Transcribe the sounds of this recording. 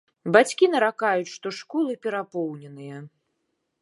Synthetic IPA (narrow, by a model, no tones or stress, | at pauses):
bat͡sʲkʲinɐɾakajut͡sʲʂt̪ɔʂkɔlˠɨpʲɛɾapɔwnʲɛnɨjɐ